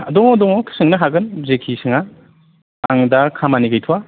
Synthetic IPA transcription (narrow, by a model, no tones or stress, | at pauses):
ɐdɔŋɔdɔŋɔkʰi̥sɯŋnɐɦaɡɯnzekʰisɯŋa | aŋdɐkʰamaniɡajtʰuwa